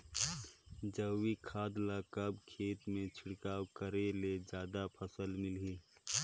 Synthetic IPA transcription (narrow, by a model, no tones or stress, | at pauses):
d͡ʒəwikʰaːd̪lakəbkʰeːt̪mẽt͡ʃʰɪɽkaːwkəɾeled͡ʒjaːd̪apʰəsəlmɪlɦiː